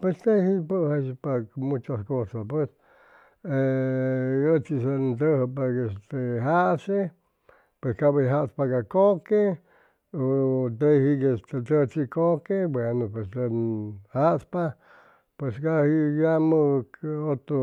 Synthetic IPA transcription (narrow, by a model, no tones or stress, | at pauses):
pwest̪ehipəhaspakmut͡ʃaskosapwes | e | ət͡ʃisad̪əhpakest̪eɦaʔse | pweskabəɦaʔspakakoke | ot̪ehikest̪et̪ət͡sikokebwenopwest̪enhaʔspa | pweskahijamɨot̪o